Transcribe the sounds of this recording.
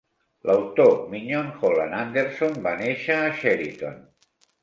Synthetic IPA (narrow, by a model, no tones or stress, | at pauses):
lʔawt̪omiɲonxola̰nand̪eɾsombaneʃaːʃɛɾit̪o̰n